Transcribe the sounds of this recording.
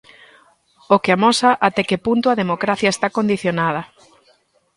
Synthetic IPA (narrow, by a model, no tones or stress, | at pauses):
okeɪamɔsɐʔat̪ɛkepunt̪ʊaðemokɾaθjɐest̪akond̪iθjonað̞ɐ